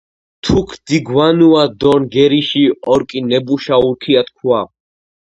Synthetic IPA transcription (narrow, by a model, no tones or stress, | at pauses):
t̪ʰukʰd̪̥iɡwanuad̪ɔnɡɛɾiʃiɔɾkʼinɛbuʃauɾkʰiat̪kʰwa